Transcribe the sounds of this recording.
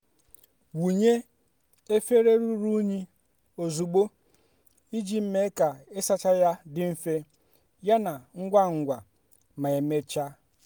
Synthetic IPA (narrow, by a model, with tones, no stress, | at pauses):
wu˨ɲe˦ | e˦fe˦ɾe˦ɾu˦ɾu˦ɲi˦ | o˨zu˨ɡ͡bo˦ | i˦d͡ʒi˦m̩˦me˦ka˨e˦sa˦t͡ʃa˦ja˦dɪ˨m̩˦fe˦ | ja˦na˨ŋ̩˦ɡʷa˦ŋ̩˨ɡʷa˨ | ma˨e˨me˦t͡ʃa˦